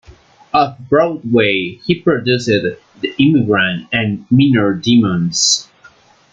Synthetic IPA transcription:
ʌvbɹɔʊd̚weɪhipʰɹ̥ɨdʉsɪd̪ | ðiɪmɨɡɹə̃ntɨ̃nminə˞dimə̃nz̥

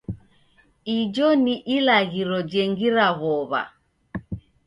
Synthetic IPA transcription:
id͡ʒɔniʔilaɣiɾɔd͡ʒɛŋɡiɾaɣɔβa̰

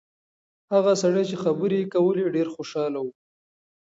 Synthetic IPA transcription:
haɣasaɽajt͡ʃexabəɾekawəleɖeɾxoʃɑlawu

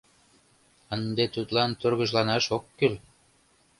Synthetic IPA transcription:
ənd̪et̪ut̪lɑnt̪ørɣə̆ʒlɑnɑʃokːyl

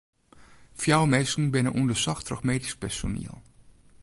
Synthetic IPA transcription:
fjawmɛsn̩bɪnəʔundəsɑxtrɔ̰xmeːtɪspɛɹso̰nḭːlˠ

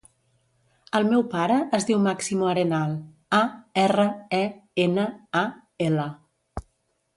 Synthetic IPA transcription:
əlˠmɛwpaɾəʔːzðiwmaksimuəɾenalˠ | aɛrəɛenəa | elə

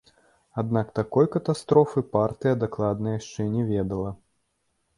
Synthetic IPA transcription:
ad̪nakt̪akɔjkɐt̪ast̪ɾɔfɨpart̪ɨjɐd̪ɛklˠad̪nɐjjaʂt͡ʂɛnʲɛvʲɛd̪ɐlˠɐ

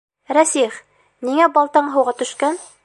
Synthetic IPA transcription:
ɾæsiχ | niŋæbɑlˠt̪ɑɴɦɤ̆wʁɑt̪ɵ̆ʃkæn

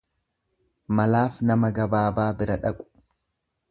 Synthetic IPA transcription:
mɐlaːfnɐmɐɡɐbaːbaːbɪɾɐᶑɐkʼʊ̥

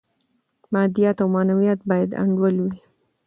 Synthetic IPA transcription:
mɑd̪ijat̪awmɑnawijat̪̚bɑjad̪a̰ɳɖwəlwi

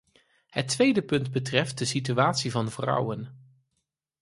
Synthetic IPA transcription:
ɦətʋejdəpɵndbətrɛft̚dəsityaːtsivɑnvrʌ̰wən

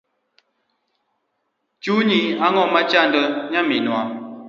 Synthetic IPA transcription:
t͡ʃuɲiaŋɔmat͡ʃan̩dəɲaminwa

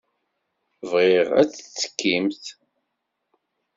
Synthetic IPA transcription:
vʁɪʁæ̰t͡sːt͡sːə̥kːimθ

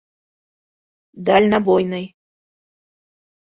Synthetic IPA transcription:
d̪alʲnabojnɨj

